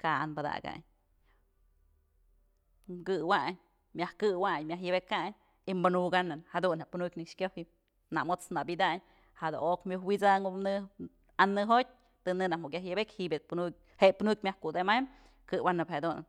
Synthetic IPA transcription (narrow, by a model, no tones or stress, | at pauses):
kaa̰nbɨd̪a̰ɡa̰ɲ | ɡɨwaʔɲ | mʲahkɨwaɲmjaɦjɨbekaɲ | imbɨnuɡanɨnhad̪unheʔpunukʲnɨkʂkʲohi | na̰mot͡snabid̪aɲ | had̪o̰okmjuhwit͡saŋonɨ | anːɨɦot̚ʲ | t̪ɨnɨnahmoʔkʲjaɦjɨbekʲhiʔbʲepunuk̚ʲ | heʔpunuk̚ʲmʲahkud̪emajm | kɨwanɨphad̪un